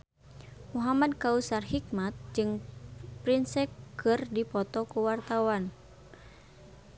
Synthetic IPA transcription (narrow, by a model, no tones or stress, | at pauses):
muɦamadkausarhik̚mat̪̚d͡ʒɨŋpɾinsɛkʰːɨrdipɔt̪ɔkuwart̪awan